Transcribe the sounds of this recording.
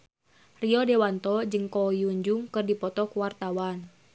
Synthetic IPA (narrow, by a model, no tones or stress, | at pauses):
riɔdewant̪ɔd͡ʒɨŋkɔjuɲd͡ʒuŋkɨrdipɔt̪ɔkuwart̪awan